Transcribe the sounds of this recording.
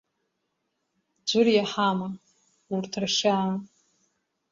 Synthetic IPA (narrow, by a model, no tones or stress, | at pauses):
d͡ʒʷʊrjaħama | urtʰrʂaː